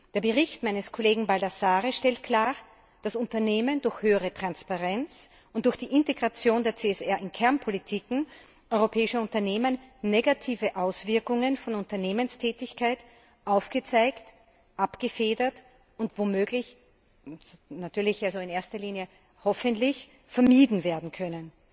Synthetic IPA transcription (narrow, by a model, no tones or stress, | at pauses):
d̥eːɐbəʁɪçtmaɪnəskʰoleːɡŋ̩baldasaːʁəʃtɛlt̚kʰl̥aːʁ | d̥asʊntɐneːməndʊɐçhøːəʁətʁ̥anspaʁɛnt͡s | ʔʊnt̚d̥ʊɐxd̥iːʔɪnteɡʁat͡sjoːndeːɐt͡seːɛsɛɐʔɪnkʰɛɐnpʰolitʰiːkŋ̩ | ʔɔʏʁopʰɛːɪʃəʊntɐneːmənːeɡatʰiːvəʔaʊsv̥ɪɐkʊŋənfɔnʊntɐneːmənstʰɛːtɪçkʰaɪt | ʔaʊfɡ̥ət͡saɪkt | ʔapɡ̥əfeːdɐt | ʊntv̥omøːɡlɪç | natʰyːɐlɪçʔalzoɪneːɐstɐliːnjə | hɔfəntlɪç | fɛɐmiːdn̩veːɐdn̩kʰœnən